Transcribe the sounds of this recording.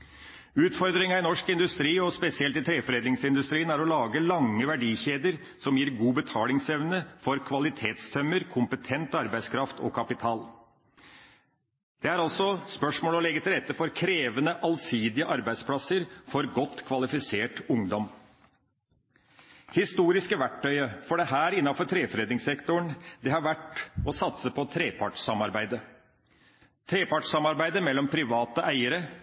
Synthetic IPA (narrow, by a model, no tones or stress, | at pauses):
ʉːt̪fɔɾd̪ɾɪŋɑɪnɔʂkɪnd̪ʉst̪ɾiːɔspɛsɪɛlt̪ɪt̪ʰɾeːfɔɾeːd̪ɪŋsɪnd̪ʉst̪ɾiːənæɾɔlɑːɡəlɑŋːəʋæɖiːçeːd̪əɾ | sɔmjiːɾɡuːbət̪ʰɑːlɪŋsɛʋnəfɔɾkʰʋɑlɪt̪ʰeːt̪st̪ʰœmːəɾkʰʊmpət̪ʰɛnt̪ɑɾbæɪskʰɾɑft̪ʰɔ̰kʰɑpɪt̪ʰɑːl | d̪̥ɛæɾɑlsɔspœʂmoːləɔlɛɡːət̪ʰɪlɾɛt̪ːəfɔɾkʰɾeːʋənəʔɑlsiːd̪ɪəʔɑɾbæɪspʰlɑsəɾfɔɾɡɔt̪ːkʰʋɑlɪfɪseːʈʊŋd̪ɔm | hɪst̪uːɾɪskəʋæʈːœʏəfɔɖɛɦæːɾɪnːɑfɔʈ̪ʰɾeːfɾeːd̪ɪŋsɛkt̪ʊɳd̪ɛhɑɾʋæʈːɔsɑt̪səpʰɔt̪ʰɾeːpʰɑʈʂsɑmɑɾbæɪd̪ə | t̪ʰɾeːpɑʈʂɑmɑɾbæɪd̪əmɛlːɔmpʰɾɪʋɑːt̪əʔæɪəɾə